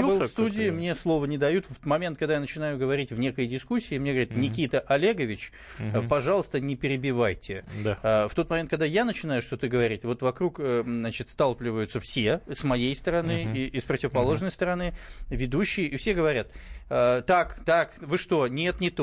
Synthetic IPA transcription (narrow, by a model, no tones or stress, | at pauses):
fst̪udʲɪːmnʲe̞slˠo̞vənʲɪd̪ɐjut̪fmɐmʲent̪̚kɐɡd̪ajanət͡ɕɪnajʊɡəvɐɾʲitʲvnʲe̞kəjdʲɪskusʲːɪːmneɡəvɐɾʲit̪nʲɪkʲit̪əʔɐlʲeɡəvʲɪt͡ɕ | pɐʐɑlˠəst̪ənʲɪpʲɪɾʲɪbʲɪvajtʲɪd̪aəft̪o̞t̪mɐmʲet̪̚kɐɡ̚d̪ajanət͡ɕɪn̪ajʊʂt̪ot̪ɨɡəvɐɾʲitʲvo̞t̪vɐkɾukəzat͡ɕɪt̪st̪alˠplʲɪvəjʊt̪səfsʲesmɐjejst̪əɾɐnɨiʔɪspɾətʲɪvəpɐlˠo̞ʐnəjst̪əɾɐnɨvʲɪd̪uɕːɪjəʔifsʲe̞ɡəvɐɾʲat̪ət̪ːakt̪akvɨʂt̪o̞nʲe̞t̪nʲɪt̪